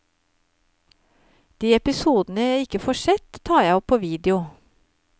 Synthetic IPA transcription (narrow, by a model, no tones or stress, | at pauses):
d̪̥iːɛpɪsuːd̪n̩əjæɪɪkəfoːʃɛt̪t̪ʰɑːjæɪɔpʰoːʋiːd̪ɪʊ